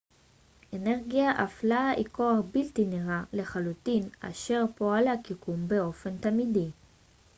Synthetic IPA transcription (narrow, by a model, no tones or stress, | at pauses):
ʔe̞ne̞ʁɡiaʔaflaiko̞aχbilt̪iniʁale̞χalutina̰ʃe̞ʁpo̞alakikumbeo̞fe̞nt̪amidi